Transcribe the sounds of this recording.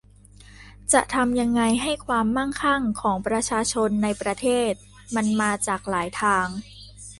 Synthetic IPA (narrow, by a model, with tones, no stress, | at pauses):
t͡ɕa˨˩ʔt̪ʰa˧mja˧ŋːa˧jɦa˥˩jkʰwaː˧mːa˥˩ŋkʰa˥˩ŋkʰɔː˩˦ŋpɾa˧t͡ɕʰaː˧t͡ɕʰo˧nːa˧jpɾa˧t̪ʰeː˥˩t̪̚ | ma˧nmaː˧t͡ɕaː˨˩k̚laː˩˦jt̪ʰaː˧ŋ